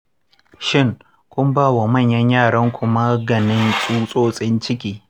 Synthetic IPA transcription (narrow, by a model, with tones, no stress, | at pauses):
ʃɪ˦˨ŋ | kʷʊ˦mbaː˦˨wa˨mɐ˦˨ɲjɐ˦ɲjaː˦˨ɽɐ˦ŋkʷʊ˦ma˦ɡɐ˨nɪ˦nsʼuː˦sʼoː˦sʼɪ˦nt͡ʃɪ˦kʲiː˦